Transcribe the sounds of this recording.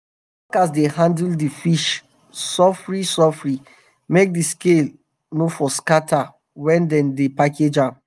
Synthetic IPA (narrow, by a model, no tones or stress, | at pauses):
akas̬dehãndldifiʃ | sɔfɹisɔfɹi | mek̚diskel | nofɔskatʰa | wɛ̃ndɛ̃ndepaked͡ʒãm